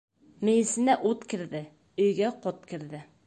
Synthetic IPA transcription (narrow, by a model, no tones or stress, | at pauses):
mɘ̆jɘ̆sɘ̆næʔut̪kɘ̆ɾðɘ | ɵ̆jɡæqot̪̚kɘ̆ɾðɘ